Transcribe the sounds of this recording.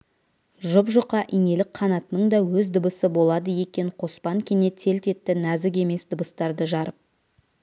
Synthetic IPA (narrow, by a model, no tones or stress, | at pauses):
ʒʊpʒʊqɑʔine̞lɪk̚qʰɑnɑt̪ənəɴd̪ɑwɵzd̪əbəsəbo̞lˠɑd̪əje̞kʲe̞ɴqʰo̞spɑŋkʲʰene̞t̪ʰe̞lt̪e̞t̪ːɪnæzɪɡ̬ʲe̞me̞sd̪əbəst̪ɑɾd̪əʒɑɾəp̚